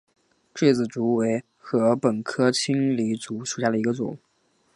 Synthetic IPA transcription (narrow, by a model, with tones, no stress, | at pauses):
ʈ͡ʂe˥˩t͡sɹ̩˨˩t͡su˧˥we˧˥ɪ | xɤ˧˥pə˨˩nkʰɤ˥t͡ɕʰi˥ŋli˧˥t͡su˧˥ʂu˨˩ɕja˥˩ə˩i˧˥ɡə˧t͡swɔ̰˥˩ŋ